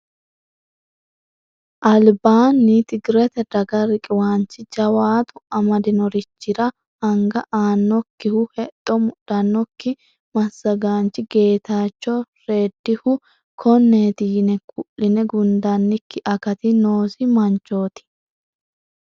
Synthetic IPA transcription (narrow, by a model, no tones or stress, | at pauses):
ʔɐlbaːnːɪt̪ɪɡɾɛt̪ɛd̪ɐɡɐɾɪkʼɪwaːnt͡ʃːɪd͡ʒɐwaːt̪ʊɐmɐd̪ɪnɔɾɪt͡ʃːɪɾɐ | ɐŋɡɐʔaːnːɔkːɪhʊhɛt̪ʼːɔmʊɗɐnːɔkːɪ | mɐsːɐɡaːnt͡ʃːɪɡe̞ːt̪aːt͡ʃːɔ | ɾe̞ːd̪ːɪhʊ | kʰɔnːeːt̪ɪjɪnɛkʼʊʔɪnɛɡʊnd̪anːɪkːɪʔɐkɐt̪ɪnoːsɪmɐnt͡ʃːo̞ːt̪ɪ̥